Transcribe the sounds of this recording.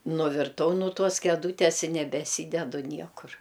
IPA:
nʊʋʲɪrˈtɐʊ nʊ ˈtuɔs kʲɛˈduːtʲeːs ɪ nʲɛbʲɛˈsʲiːdʲɛdʊ ˈnʲiɛkʊr

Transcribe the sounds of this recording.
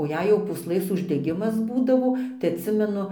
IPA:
oː ˈjɛɪ jɛʊ puːsˈlˠɘs ʊʒʲdʲɛˈɡʲɪmɐs ˈbuːdɐʋoː tɐɪ ɐtʲˈsʲɪmʲɛnʊ

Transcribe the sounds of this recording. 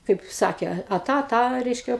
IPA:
ˈkɐɪp ˈsɑːkʲeː ɐ ˈtɑː ɐ ˈtɑː ˈrʲɛɪʃʲkʲɛ

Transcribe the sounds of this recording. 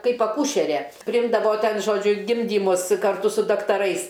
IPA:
ˈkɐɪp ɐˈkuːʃʲɛrʲɛ pʲrʲɪˈɪmdɐʋoː ˈtʲɛn ˈʒoːd͡ʒʲʊ ˈɡʲɪmʲdʲiːmʊs kɐrˈtʊ sʊ dɐktɐˈrɐɪs

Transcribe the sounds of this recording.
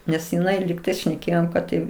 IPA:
nʲɛs jɪˈnɐɪ lʲɪkˈtɐɪs ʃʲnʲɛˈkʲeːjoːm ˈkɐt tɐɪ

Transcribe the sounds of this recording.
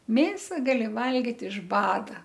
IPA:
ˈmʲeːsɐ ɡɐˈlʲɪ ˈʋɐlʲɡʲɪt ɪʃ ˈbɑːdɐ

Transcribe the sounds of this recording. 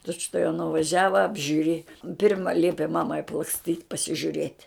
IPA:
ˈtʊt͡ʃtuɔjɛʊ nʊʋɐˈʒʲæːʋɐ ɐbʲʒʲʊˈrʲeːjɛ ˈpʲɪrmɐ ˈlʲiɛpʲɪ ˈmɑːmɐɪ ɐplˠɐksʲˈtʲiːtʲ pɐsʲɪʒʲʊˈrʲeːtʲ

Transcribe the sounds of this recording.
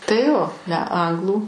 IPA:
tɐɪ ˈjoː nʲɛ ˈɐŋɡlˠuː

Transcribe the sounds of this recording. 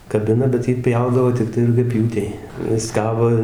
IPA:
kɐˈbʲɪnɐ bʲɛt ˈjiː ˈpʲjɛʊdɐʋoː tʲɪkˈtɐɪ rʊɡʲɛˈpʲjuːtʲɛɪ ˈjɪs ˈkɑːboː

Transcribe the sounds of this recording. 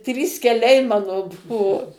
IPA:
ˈtʲrʲiːs kʲɛˈlʲɛɪ ˈmɑːnoː ˈbʊʋoː

